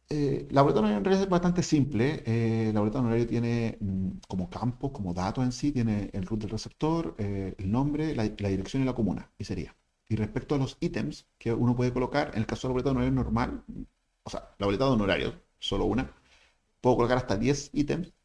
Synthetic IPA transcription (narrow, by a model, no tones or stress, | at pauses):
elaβo̞let̪aðunoɾajunoaliaeβast̪ant̪esimpleelaβlet̪aðunoɾaɾjot̪je̞neko̞mokamposkomoðat̪ose̞nsit̪je̞neːlrut̪d̪elresep̚t̪oɾeelnõ̞mbɾelalaðiɾeksjonilakomuna̰iseɾḭa | irehpekt̪oalo̞sit̪emskeunop̬weðeko̞lokaɾḛnelkasoelaβet̪aunoenoɾma̰l | osealaβolet̪aðeunoɾa̰ɾjo̰ | solouna | pweðokolokaɾaht̪aðjesit̪ems